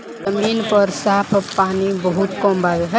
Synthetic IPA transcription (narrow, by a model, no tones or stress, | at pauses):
ɐmiːnpəɾsaːpʰpaːnibəɦʊt̪kɔ̃ːmbaɡɦɛ